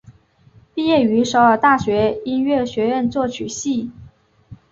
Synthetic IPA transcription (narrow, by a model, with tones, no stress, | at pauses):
pi˥˧jɛ˥˩y˧˥ʂo˧˥ʊə˨˩t̪a˥˩ɕɥɛ˧˥i˥nɥɛ˥˩ɕɥɛ˧˥ɻə˥˧nt͡swɔ˥˩t͡ɕʰy˨˩ɕi˥˩